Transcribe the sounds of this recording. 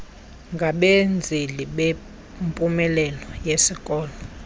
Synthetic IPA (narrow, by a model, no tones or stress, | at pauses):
ŋɡʱaɓend͡zʱiliɓe | mpʼumɛlɛlɔjesikʼɔːlɔ